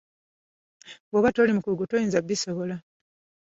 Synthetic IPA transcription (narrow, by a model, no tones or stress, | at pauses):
ɡoβatolimukuɾuɡutojiːnzabːiso̞βo̞la